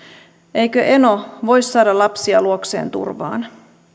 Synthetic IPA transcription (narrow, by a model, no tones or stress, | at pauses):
ʔejkøʔe̞noʋojsːɑːdɑlɑpsiɑluoksḛːnt̪ṵrʋɑ̰ːn